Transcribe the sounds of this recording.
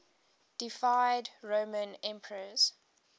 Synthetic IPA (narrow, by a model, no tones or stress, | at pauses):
d̥ɪfaɪdɹoʊmə̃nɛ̃mpʰəɹəz̥